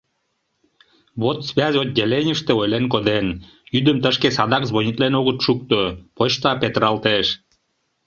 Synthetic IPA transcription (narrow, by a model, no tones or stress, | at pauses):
bot̪sβʲæzʲot̪̚dʲelenʲəʃt̪ĕojlenkod̪en | yd̪əmt̪əʃkesɑd̪ɑkzβonʲit̪lenoɣə̆t̪ʃuk̚t̪opot͡ɕt̪ɑpet̪əɾɑlt̪eʃ